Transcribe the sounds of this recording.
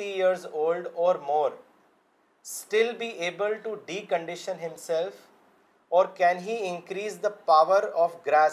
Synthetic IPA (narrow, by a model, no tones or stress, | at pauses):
ʈijiəɾzoːlɖɔːɾmɔːɾ | sʈɪlbiːʔeːbəlʈuɖiːkə̃ɳɖɪʃə̃nɦɪ̃msɛlf | ɔːɾkɛ̃nɦiːɪ̃nkɾiːsd̪əpaʋəɾɔːfɡɾæ